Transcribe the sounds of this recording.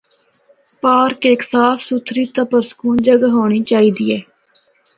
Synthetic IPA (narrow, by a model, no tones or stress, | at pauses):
paːɾkeːksaːfsut̪ʰɾiːt̪əpəɾsə̥kuːnd͡ʒəɡaːɦoːɽ̃iːt͡ʃaːiːd̪iːɛː